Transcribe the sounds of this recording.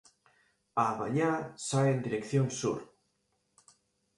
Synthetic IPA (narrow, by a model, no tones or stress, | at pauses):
aβa̰ɲasajẽnd̪iɾekθjoŋsṵɾ